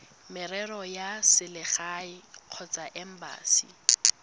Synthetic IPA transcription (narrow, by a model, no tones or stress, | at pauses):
mɪrɛrɔjasɪlɪχaɪq͡χʰɔt͡sʼaʔɛm̩ba̰ːsḭ